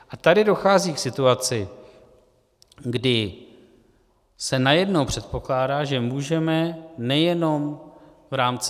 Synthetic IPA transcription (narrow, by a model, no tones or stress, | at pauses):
ʔat̪adɪdo̞xaːziːksɪt̪uat͡sɪ | ɡdɪ | sɛnajɛdno̞wpr̝̥ɛt̪̚po̞klaːdaːʒɛmuːʒɛmɛnɛjɛno̞m | vɾaːmt͡s